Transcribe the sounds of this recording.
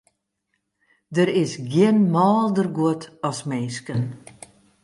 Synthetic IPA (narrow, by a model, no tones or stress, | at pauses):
dəɾɪsɡjɪənmɔːlˠdərɡwoətʰɔsmeːskən